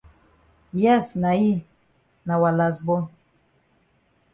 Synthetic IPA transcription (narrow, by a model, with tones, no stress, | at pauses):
jɛ˦sna˨i˦ | na˨wa˨la˨zbɔ˦